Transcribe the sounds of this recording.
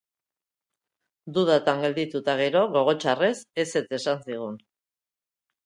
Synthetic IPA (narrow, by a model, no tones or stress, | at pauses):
d̪uðat̪aŋɡe̞ld̪it̪ut̪aɣ̞e̞ɾo̞ɣo̞ɣ̞o̞t͡ʃare̞se̞se̞t͡se̞sansiɣ̞un